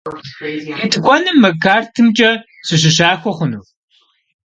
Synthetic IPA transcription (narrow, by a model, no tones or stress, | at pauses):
itʼɨkʷʼɔnɨmːɐkʰaːrtʰɨmt͡ʃʼɐ | sɨɕ̬ɨɕ̬aːxʷɔχʷʊnuː